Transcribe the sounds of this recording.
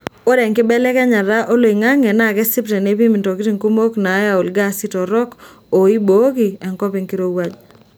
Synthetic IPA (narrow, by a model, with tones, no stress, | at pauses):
o˦ɾɛ˨ŋkɪ˦bɛ˦lɛ˦kɛ˦ɲa˨ɾa˦ʔo˦lo˨i˨ŋa˦ŋɛ˨na˦˨kɛ˦sɪ˦pɾɛ˨ne˦p̬i˦mi˨to˨kɪ˦ɾi˦˨ŋku˦mo˦kna˨˦ja˨o˨lɡa˦si˦tɔ˨ɾɔ˦k | o˨i˦bo˨˦ɡi˨ɛ˨ŋkɔ˦pɪ˦ŋki˦ɾo˦wa˦d͡ʒ